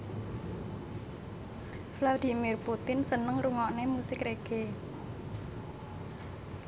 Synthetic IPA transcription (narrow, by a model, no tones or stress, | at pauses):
flad̪i̤mɪrput̪ɪnsənəŋruŋɔʔnemusɪkɾeɡ̥e